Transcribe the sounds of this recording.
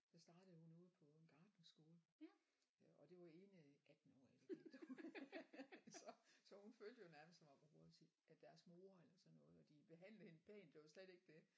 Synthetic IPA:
d̥ɑsd̥ɑ̈ːd̥əð̩ˠhunɔ̽ːð̞̩ˠpʰɒ̽enɡ̥ɑ̈ːd̥n̩sɡ̥o̝ːlə | ɒ̽d̥e̝ʋɑe̝ːnəʔæd̥n̩ɒ̰ːid̥eɡed̥o | ssɒ̽sɒ̽hunføːld̥əjo̝næɐmstɒmɑ̈b̥ʁub̥ot͡sʰi̥ | ʔæd̥æɐsmo̝ːɐelɐsɒ̽nːɔ̽ːð̩ˠɒ̽d̥ib̥e̝ɦæn̰ləhe̝nəpʰḛːnd̥e̝ʋɑsled̥e̝ɡ̥əd̥e̝

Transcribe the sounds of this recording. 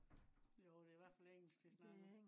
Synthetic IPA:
jod̥e̝iʋæɐ̰̥fæleŋ̰l̩sɡ̥d̥esnɑɡ̥

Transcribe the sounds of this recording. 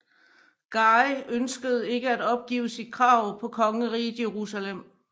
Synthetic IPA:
ɡ̥ɑ̈ɪʔønsɡ̥əð̞̩ˠe̝ɡ̥əæd̥ɒ̽b̥̚ɡ̥ḭːʊsid̥̚kʰʁɑ̈ʊ̰pʰɒ̽kʰɒ̽ŋəʁḭ̥ːje̝ʁusælem̰

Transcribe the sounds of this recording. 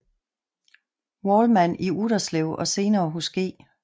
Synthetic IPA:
wɒːlmæn̰iuɾ̥ɐsleʊɒ̽se̝ːnɐːɦusɡ̥e̝̰ː

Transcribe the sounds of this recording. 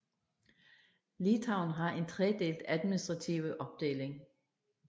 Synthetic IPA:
lit͡sʰɑ̈ʊ̰nɦɑ̈ʔe̝nt͡sʰʁɛəd̥e̝̰ːld̥æðˠminisd̥ʁɑ̈t͡sʰiʊəʔɒ̽b̥̚d̥e̝̰ːle̝ŋ

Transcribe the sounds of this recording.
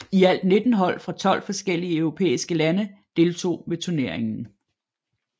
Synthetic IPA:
iæl̰d̥ne̝d̥n̩ɦɒ̽l̰fʁɑ̈t͡sʰɒ̽l̰fɒ̽sɡ̥el̰iəœʊʁo̝pʰḛːisɡ̥əlænəd̥e̝ːlt͡sʰo̝̰ːʋet͡sʰune̝ɐ̰e̝ŋn̩

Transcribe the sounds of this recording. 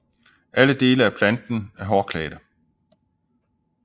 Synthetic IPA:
ʔæləd̥e̝ːləæpʰlænd̥n̩æɐɦɒːkʰlɛ̰ːd̥ə

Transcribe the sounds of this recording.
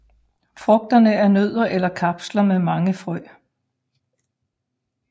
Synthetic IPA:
fʁɔ̽ɡ̥̚d̥ɐnəæɐnøð̰ˠɐʔelɐkʰɑ̈b̥slɐmemɑ̈ŋəfʁɔɪ̰

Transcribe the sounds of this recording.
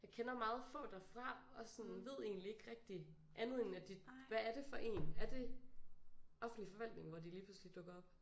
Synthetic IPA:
jɑ̈ɪkʰenɐmɑ̈ːð̞̩ˠfɔ̰̽ːd̥æfʁɑ̈ɒ̽sɔ̽nʋe̝ð̞̰ˠe̝̰ːnlie̝ɡ̥ʁɛɡ̥̚d̥i | ʔænð̩ˠe̝næd̥iʋææɐɾ̥e̝fɒ̽ʔe̝̰ːnæɐd̥e̝ | ɒ̽fn̩d̥lifɒ̽ʋæl̰d̥ne̝ŋʋɒd̥iliːpʰluslid̥ɔ̽ɡ̥ɐɒ̽b̥̚

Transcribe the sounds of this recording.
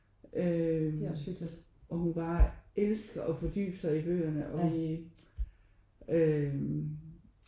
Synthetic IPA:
ʔø̥ | ʔɒ̽hunb̥ɑ̈ːʔelsɡ̥ɐʔɒ̽fɒ̽d̥y̰ːb̥sɑ̈ɪib̥ø̰ːɐnəʔɒ̽i | ø

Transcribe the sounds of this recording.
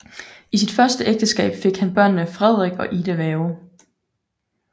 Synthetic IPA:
isid̥fɶɐsd̥əʔeɡ̥̚d̥əsɡ̥ɛ̰ːb̥fe̝ɡ̥hænb̥ɶɐ̰nːəfʁɛð̞̰ˠʁɛɡ̥ɒ̽ʔiːdəʋɛːʊ

